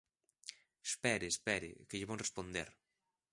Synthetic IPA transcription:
spɛɾɪspɛɾɪ̰kɪʎɪβoŋrespond̪ḛɾ

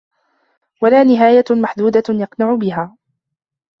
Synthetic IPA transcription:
walaːnɪɦaːjamaħd̪uːd̪ajɑqnaʕʊbɪɦaː

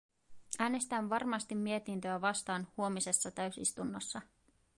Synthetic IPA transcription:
ʔæːne̞st̪ænʋɑrmɑst̪imːie̞t̪int̪øæʋɑst̪ɑːnhuo̞mise̞sːɑt̪æɥsḭst̪unːosːɑ

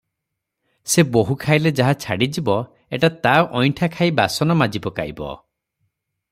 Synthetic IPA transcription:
seboɦukʰajled͡ʒaɦat͡ʃʰaɽid͡ʒibɔ | eʈat̪aoʔɔjʈʰakʰajbasɔnɔmad͡ʒibɔka̰jbɔ̰

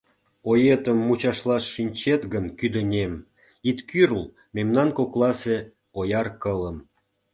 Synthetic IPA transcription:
ojet̪əmːut͡ɕɑʃlɑʃːinʲt͡ɕet̪ɡənkyd̪ə̆nʲem | it̪kyrl | memnɑnkoklˠɑse | ojɑrkələm

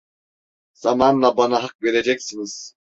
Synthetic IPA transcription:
z̥amanlˠabanaɦak̚ve̞ɾed͡ʒɛcsiniz̥

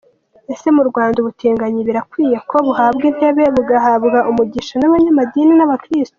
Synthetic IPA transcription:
e̞se̞muɾɡwaːnduβutiːŋɡaɲiβiɾakwiːje̞kʰo̞βuhaːbɡin̥he̞βe̞βuɡaɦaβɡaʔumuɟiʃanaβaɲamadiːninaβakɾisto̥

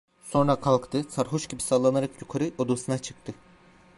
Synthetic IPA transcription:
so̞nɾakʰalˠkt̪ʰɯsaɾɦoʃɟibisalˠanaɾakjukʰaɾɯʔod̪usɯnat͡ʃʰɯ̥kt̪ʰɯ

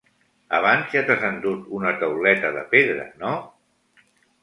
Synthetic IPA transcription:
a̰β̞anzjat̪azand̪ut̪unət̪əwlɛt̪əðəpeðɾə̰no

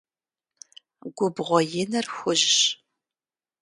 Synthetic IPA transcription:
ɡʷʊbʁʷɔjɪnɐrxʷʊʒɕ

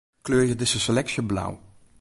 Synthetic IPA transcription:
kløːɹjədɪsəsəlɛksjəbla̰w

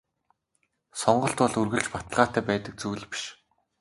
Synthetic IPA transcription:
sɔɴɢɞ̆ɬt̪pɔɮurɣɘ̆ɮt͡ɕpat̪ə̆ɮʁaːt̪æːpæːt̪ə̆k̚t͡suːɮpi̥ʃ

